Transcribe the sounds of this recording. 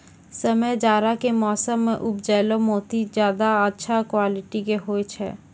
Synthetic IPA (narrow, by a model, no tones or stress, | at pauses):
səməjd͡ʒaːɾakemɔːsəmːẽʔʊpd͡ʒɛːlomoːt̪id͡ʒjaːd̪aətːʃʰakwaːlɪʈikeɦoːet͡ʃʰɛ̰ː